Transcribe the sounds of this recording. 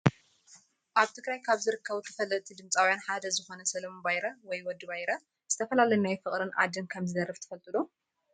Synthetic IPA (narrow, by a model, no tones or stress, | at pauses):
ʔaβt̪ʰɨɡɾajkʰaβzɨɾɨkʰːɐβut̪ʰɐ̥fɐlːɐt̪ʰid̪ɨmt͡sʼawjanħad̪ɐzɨxo̞nɐsɐlɐmobajɾɐwɔjwɔd̪ːɨβajɾɐ | z̥ɨt̪ʰɐfɐlalɐjunajfɨχʼɾɨnʔa̰d̪ɨnkʰɐmzɨd̪ɐrːɨft̪ʰɨ̥fɐlt̪ʼɨlo